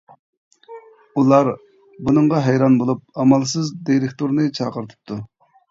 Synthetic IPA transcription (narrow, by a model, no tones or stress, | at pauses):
ulˠɑɾ | bunɨɴʁɑɦɛjɾɑnbolˠup̚ɑmɑlˠsɨzd̪iɾɪk̚ʲt̪uɾnɨt͡ʃʰɑqəɾt̪ʰɨ̥p̚t̪ʰːu